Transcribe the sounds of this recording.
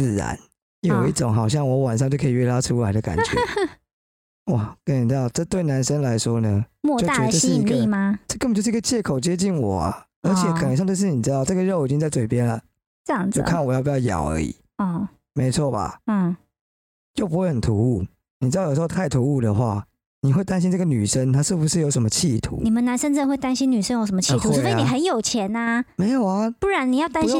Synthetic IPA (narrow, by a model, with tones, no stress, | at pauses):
t͡sɹ̩˥˩ɻa̰˧˦n | jo˨˩ʊi˥˩ʈ͡ʂo˨˦ŋɦɑ˨˩ʊɕ̬jɑ˥˩ŋwɔ˧˦˥wa˨˩nʂ̬ɑ˥˧ŋt͡ɕo˥˩ʊkʰə˧˥i˨˩ɥɛ˥˩la˥ʈ͡ʂʰu˥la˧˥ɪdə˨ka̰˨˩nt͡ɕɥɛ̰˦ | wa˥˩kə˦ni˨˩˥d̪ɑ˥˧ʊʈ͡ʂɤ˥˧t̪we˥˩ɪna˧˦nʂə˦ŋla˧˦ɪʂwɔ˦˥nə˨mwɔ˥˧˨o˥˨a˨˥ɛ˧ʈ͡ʂːə˥˧ʂɻ̩˥i˧˥ɡəi˩˥˧ma˨˧ʈ͡ʂə˥˩˧kə˥˩bə˨t͡ɕo˥˧ʊʂ̩˥˧i˥ɡə˧t͡ɕjɛ˥˩kʰo˨ʊt͡ɕjɛ˦t͡ɕi˥˩nwɔ̰˨˩ɐ̰˦ | ə˞˧˥t͡ɕʰjɛ˨˩kʰə˨˩nə˧˦ŋʂ̬ŋt͡ɕo˥˧ʂ̬̩˥˩ni˨˩ɻ̩˥ɑ˥˧ʊʈ͡ʂɤ˥˩ɡə˨ɻo˥˩ʊ˨i˨t͡ɕi˦ŋt͡sa˥˩ɪt͡swe˨˩ɪpjɛ˦nlə˨ | ə˥˧jɑ˥˩ŋd͡zjo̰˥˧˩kʰa˥˩nwjɑ˥˩pi˨˩t͡ɕjɑ˥˧ʊjɑ̰˨˩˦ʊə̰˞˧˦˥ḭ˨˩˦ | ɔ˥˩ | me˧˥ɪt͡sʰwɔ˥˩ba̰˨˩˥ | t͡ɕjo˥ʊpu˧˥xwe˥˩hə˨˩nt̪ʰu˧˥u˥˩ | ni˨˩t͡ɕ̩̪˧˥ɑ˥˩jʂ̩˧˥˧ʊt̪ʰa˥˩ɪt̪ʰu˧˥u˥˩d̪ə˨xwa̰˥˩ | ni˨˩xwe˥˩ɪt̪a˦nɕi˥nʈ͡ʂɤ˥˩ɡə˨ny̰˨˩ʂə˦ŋt̪ʰa˥ʂɻ̩˥˩bu˩ʂɻ̩˥˨jo˧˥ʊʂə˧˦mə˧t͡ɕʰi˥˩t̪ʰṵ˧˦ni˨˩mə˦na˧˦nʂə˥nt͡sə˥˩nxwe˥˩ɪt̪a˥nɕi˥ny˨˩ʂə˥njo˧ʊʂ̬ə˧˦mə˧t͡ɕʰi˥˩t̪̩ʰ˧˥˧ni˨˩xə˧˦njo˨˩ʊt͡ɕʰjɛ˧˦na˧me˧˥ɪjo˨˩ʊa˧˦pu˥˩ɻa˧˦ni˨˩jɑ˥˩ʊt̪a˥nɕi˥